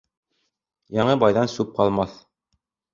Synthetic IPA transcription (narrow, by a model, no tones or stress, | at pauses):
jɑɴɤbɑjðɑnsʉp̚qɑlˠmɑθ